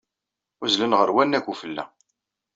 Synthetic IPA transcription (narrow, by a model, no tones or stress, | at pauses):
ʊzlənʁəɾwænːækʷːufəlːæ̰